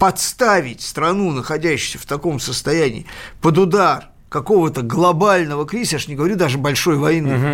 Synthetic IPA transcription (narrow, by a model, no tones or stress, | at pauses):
pɐt̪st̪avʲɪtʲst̪ɾɐnunəxɐdʲæɕːɪ̥sʲəft̪ɐko̞msəst̪ɐjænʲɪ̰ːpəd̪ʊd̪ar | kɐko̞vət̪əɡlˠɐbalʲnəvəkɾʲisjaʂnʲɪɡəvɐɾʲud̪aʐɨbɐlʲʂo̞jvɐjinːɨ